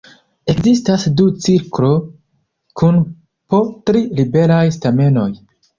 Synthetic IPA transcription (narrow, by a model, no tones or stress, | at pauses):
e̞kzistasdut͡siɾkɾo̞ | kʰun | po̞tɾiɾibe̞ɾajstame̞no̞j